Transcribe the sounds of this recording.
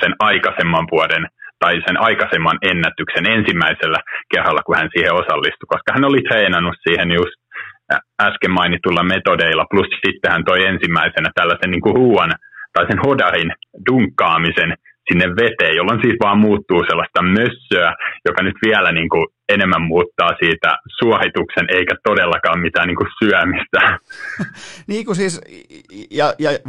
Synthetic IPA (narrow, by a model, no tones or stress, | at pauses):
senɑikɑsemːɑʋʋuɑdent̪ɑisenʔɑikɑsemːɑnenːæt̪yksenensimːæiselːækerːɑlːɑkuhænsiːheosɑlːist̪ukoskɑhænolit̪reːnɑnːussiːhenjust̪ | æskemːɑinit̪ulːɑmet̪odeilːɑplussit̪ːehænt̪oiensimːæisenæt̪ælːæsenniːŋkuruːɑnt̪ɑisenhodɑrinduŋkːɑːmisen | sinːeʋʋet̪eːjjolːonsiːt̪ʋɑːmmuːt̪ːuːselːɑst̪ɑmøsːøæjokɑnyt̪ʋiælæniːŋku | enemːæmmuːt̪ːɑːsiːt̪æ̰suɑhit̪uksenʔeikæt̪odelːɑkɑːmmit̪æːniːŋkusyæmist̪æ | niːkusiːs | jɑjɑ